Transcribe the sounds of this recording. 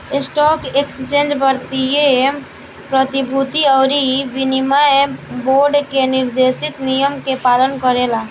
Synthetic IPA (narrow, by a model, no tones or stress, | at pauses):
ɪsʈɔːkekst͡ʃẽːnd͡ʒbəɾt̪ije | pɾət̪ibʱut̪iɔːɾiʋɪnimaboːɾɖkenɪɾd̪eːsɪt̪nijəmkepaːlənkəɾelaː